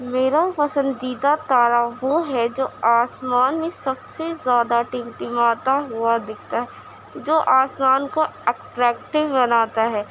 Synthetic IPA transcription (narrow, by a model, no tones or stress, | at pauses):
meːɾapɐsə̃nd̪iːd̪at̪aːɾaʋoɦɛd͡ʒoːaːsmaːnmẽsɐbsezjaːd̪aʈɪ̃mʈimaːt̪aɦʊad̪ɪːkʰt̪aɦɛ | d͡ʒoːʔaːsmaːnkoɛʈɾɛːkʈɪʋbɐnaːt̪aɦɛː